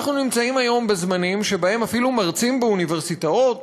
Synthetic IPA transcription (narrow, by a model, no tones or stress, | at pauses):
aχnunimt͡saimajo̞mbe̞zmanimʃe̞bahe̞mafilumaʁt͡simbeunive̞ʁsitao̞t